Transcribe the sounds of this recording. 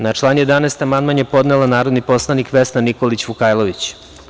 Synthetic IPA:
nat͡ʂlˠaːnjed̪anaːst̪amand̪manjepo̞d̪nelˠanaːɾo̞d̪nipo̞slˠanikʋesnaniko̞lit͡ɕʋukaːjlˠoʋit͡ɕ

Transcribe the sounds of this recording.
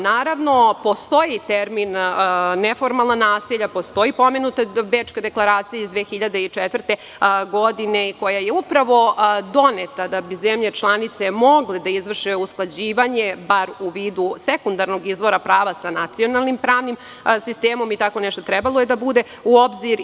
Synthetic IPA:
naːɾaʋno̞po̞st̪o̞jit̪eɾminː | efo̞ɾmalˠnanaːsiʎapo̞st̪o̞jipo̞menut̪abeːt͡ʃkad̪e̞klˠaɾaːt̪sijaizd̪ʋeːxiʎad̪eit͡ʂɛt̪ʋrt̪e | ɡo̞d̪ineiko̞jajeupɾaʋo̞d̪o̞net̪ad̪abizemʎet͡ʃlˠanit̪semo̞ɡled̪aizʋr̩ʃeusklˠad͡ʑiːʋaɲebaɾuʋiːd̪usekund̪aɾno̞ɡizʋo̞ɾapɾaːʋasanat̪sio̞nalˠnimpɾaːʋnim | sist̪eːmo̞mit̪ako̞nɛʃt̪ot̪ɾɛbalˠoje̞d̪abud̪e̞ | uobziɾ

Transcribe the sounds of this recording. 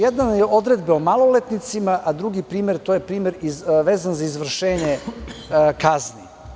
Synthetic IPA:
jed̪nanjeʔo̞d̪ɾed̪beomalˠo̞let̪nit̪simaʔad̪ɾuɡipɾiːmeɾt̪oːjepɾiːmeɾiʋeːzanzaizʋr̩ʃeːɲe | kazni

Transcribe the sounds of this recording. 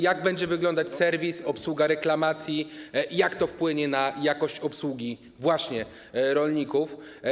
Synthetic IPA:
jaɡ̚bɛɲd͡ʑɛvɘɡlɔnd̪at͡ɕsɛɾvʲisɔpswuɡaɾɛklamat̪sʲjijakt̪ɔfpwɘɲɛnajakɔɕt͡ɕɔpswuɡʲi | vwaɕɲɛ | ɾɔlɲikuf

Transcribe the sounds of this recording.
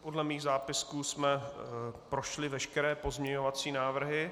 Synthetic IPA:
podlɛmiːɣzaːpɪskuːsmɛ | pɾoʃlɪvɛʃkɛɾɛːpo̞zmɲɛɲovat͡siːnaːvr̩ɦɪ

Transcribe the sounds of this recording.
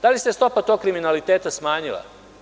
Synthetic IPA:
d̪alist̪est̪o̞pat̪o̞k̚kɾiminalit̪eːt̪asmaːɲila̰

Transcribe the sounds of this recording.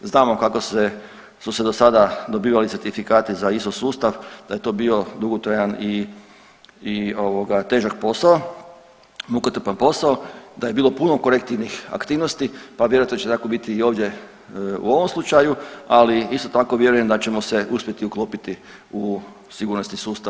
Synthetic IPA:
znaːmo̞kakose | suse̞d̪osad̪ad̪o̞biːʋalit̪seɾt̪ifikaːt̪izaist̪osuːst̪aʋd̪̥aje̞t̪o̞ːbiːo̞d̪uɡot̪ɾajani | o̞ʋo̞ɡat̪e̞ːʒak̚po̞sao | mukot̪r̩panpo̞saod̪aje̞biːlˠo̞puno̞ko̞ɾek̚t̪iʋnixa̰kt̪iːʋno̞st̪ipaʋjeɾujat̪not͡ʃet̪ako̞bit̪iːo̞ːʋd̪je̞ | ṵo̞ʋo̞mslˠut͡ʃajualiist̪o̞t̪ako̞ʋje̞ɾuje̞md̪at͡ɕe̞mo̞se̞uspʲje̞t̪iuklˠoːpit̪i | u | siɡuːɾnosnisuːst̪a

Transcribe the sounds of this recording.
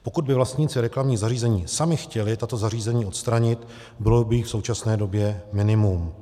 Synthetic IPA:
po̞kud̪̚bɪvlast̪ɲiːt͡sɪɾɛklamɲiːɣzariːzɛɲiːsamɪxcɛlɪt̪at̪o̞zar̝iːzɛɲiːʔo̞t̪st̪ɾaɲɪt̪ | bɪlobɪjixfso̞wt͡ʃasnɛːdo̞bjɛmɪnɪmum

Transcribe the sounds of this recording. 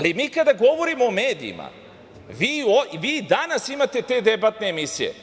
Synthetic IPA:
alimiːkad̪aɡo̞ʋo̞ɾimoːme̞ːd̪ḭḭma̰ | ʋiːoʋiːd̪anasimat̪e̞t̪e̞d̪e̞bat̪ne̞ːmisije̞̰

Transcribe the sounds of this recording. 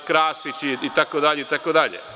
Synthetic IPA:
kɾaːsit͡ʃiit̪akod̪aʎeit̪akod̪aʎḛ

